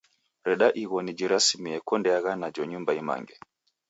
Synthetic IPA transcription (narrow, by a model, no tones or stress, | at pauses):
ɾɛɗaʔiɣɔnid͡ʒiɾasimiɛkɔndɛaɣanad͡ʒɔɲumbaima̰ŋɡɛ